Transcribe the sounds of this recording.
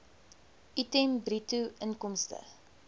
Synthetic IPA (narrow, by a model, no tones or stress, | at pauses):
ʔitembrituʔənkɔmstə̰